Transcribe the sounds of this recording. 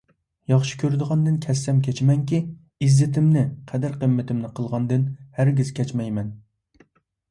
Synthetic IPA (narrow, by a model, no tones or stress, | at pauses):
jɑχʃi̥kʲʰøɾd̪ɨʁɑnd̪ɨnkʲʰɛsːɛmkʲʰɛt͡ʃmɛŋkʲi | izːɪt̪ʰɪmnɪqʰɛd̪æɾqəmːɪt̪ʰɪmnɨqʰəlˠʁɑnd̪ɨnhæɾɡʲiz̥kʲʰɛt͡ʃmɛjmɛn